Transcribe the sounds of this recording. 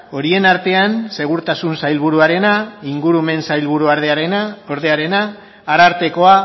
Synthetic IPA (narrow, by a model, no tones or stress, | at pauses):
o̞ɾie̞naɾt̪e̞anse̞ɣ̞uɾt̪asunsajlβuɾuaɾe̞naiŋɡuɾume̞nsajlβuɾuaɾðeaɾe̞nao̞ɾðe̞aɾe̞naː | ɾaɾt̪e̞ko̞a